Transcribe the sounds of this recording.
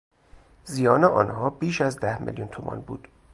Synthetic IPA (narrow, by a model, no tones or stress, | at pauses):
zijɒːneʔɒ̰ːnhɒːbiːʃæzd̪æhmḛljunt̪ʰomʔɒ̰ːnbṵːd̪̥